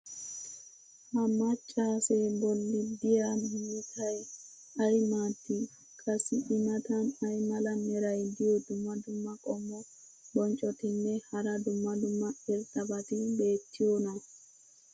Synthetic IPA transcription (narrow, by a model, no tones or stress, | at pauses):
hɐmɐt͡ʃʼːaːsɛbɔlːɪd̪ɪjaniːt̪ʰɐj | ɐjmaːt̪ːɪ | kʼɐsɪʔɪnɐt̪ɐnɐjmɐlɐnɛɾɐjd̪ɪjɔd̪ʊmːɐd̪ʊmːɐkʼɔmːɔ | bɔnt͡ʃʼɔt̪ɪnːɛhɐɾɐd̪ʊmːɐd̪ʊmːɐɛɾt̪ɐbɐt̪ɪbe̞ːt̪ʰːɪjɔnɐ